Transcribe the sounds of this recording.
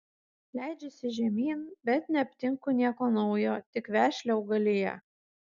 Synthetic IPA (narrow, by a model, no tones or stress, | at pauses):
lʲæˑɪd͡ʒʲɛsʲɪʒʲɛmʲiːnbʲɛt̪nʲɛɐpʲt̪ʲɪŋkʊnʲiɛkoːnɒʊjoːt̪ʲɪkʋʲæːʃʲlʲɛɐʊɡɐlʲɪjɛ̰